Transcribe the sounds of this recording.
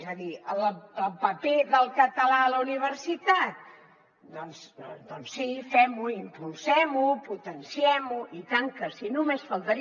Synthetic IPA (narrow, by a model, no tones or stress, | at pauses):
zəðiələlˠpəpeðəlˠkət̪əlaələuniβ̞ərsit̪at̪̚ | d̪ɔnsd̪ɔnsːifɛmuimpulˠsɛmuput̪ənsiɛmuʔit̪aŋkəsinumesfəlˠt̪əɾi